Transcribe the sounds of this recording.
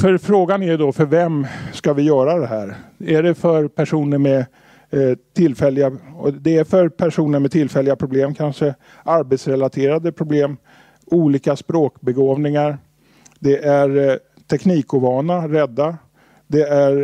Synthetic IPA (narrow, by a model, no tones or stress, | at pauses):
fœɾfɾoːɡanæjɵd̪ɔfœɾvɛmskavɪjœːɾad̪ɛɦæːɾæɖɛfœɾpʰæʂuːnəɾmɛ | t̪ʰɪlːfɛlːɪɡaɔd̪ɛæfœɾpʰæʂuːnəɾmɛt̪ʰɪlfɛlːɪɡapʰɾʊbleːmkʰanʂə | ʔaɾbɛt̪sɾɛlat̪ʰeːɾad̪əpʰɾʊbleːm | uːliːkaspɾoːkbɛɡoːvnɪŋaɾ | d̪ɛʔæɾ | t̪ʰɛkniːkʊvɑːnaɾɛd̪ːa | d̪ɛæɾ